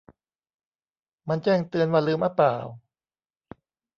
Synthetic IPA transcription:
ma˧nt͡ɕɛː˥˩ŋt̪ɯ˧ənwaː˧lɯː˧˩mʔa˧˩paː˨˩w

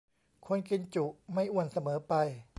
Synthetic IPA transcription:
kʰo˧nki˧nt͡ɕu˨˩ʔma˥˩jʔu˧ənsa˧mɤː˩˦pa˧j

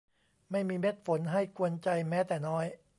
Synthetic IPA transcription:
ma˥˩jmiː˧me˦˥t̪̚fo˩˦nɦa˥˩jku˧ənt͡ɕa˧jmɛː˦˥t̪ɛː˨˩nɔː˦˥j

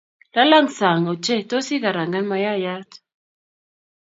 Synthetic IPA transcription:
la˦la˦ŋsa˨ŋo˨t͡ʃɛ˦˨to˦si˦ka˨ɾa˨ŋɡa˦nma˨˦ja˦ja˦t

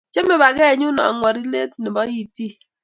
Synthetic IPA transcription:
t͡ʃe˦me˨ba˨kɛ˦˨ɲu˦nɔ̰˨ŋʷɔ˨ɾi˦le˦tni˨ba˦ji˦ti˦

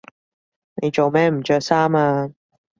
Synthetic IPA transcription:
ne˨˧jt͡ʃo˨wmɛː˥m̩˨˩t͡ʃœː˧˥k̚saː˥maː˧

